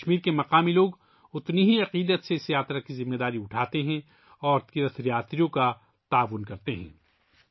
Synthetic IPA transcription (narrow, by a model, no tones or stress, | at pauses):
ʃmiːɾkemɐqaːmiloːɡ | ʊt̪niɦiɐqiːd̪ət̪sesjaːt̪ɾakizɪmːed̪aːɾiʊʈʰaːt̪eɦɛ̃ | ɔːɾt̪iːɾət̪ʰɾijaːt̪ɾijõka | t̪aːʋʊnkɐɾt̪eɦɛ̰̃ː